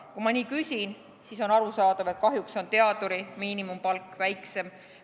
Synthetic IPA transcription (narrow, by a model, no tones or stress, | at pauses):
kumɑniːkysʲin | siso̞nɑɾusɑːd̪ɑve̞t̪̚kɑɦjukso̞nt̪e̞ɑd̪̥uɾimiːnimumpɑlkːˑvæjkse̞m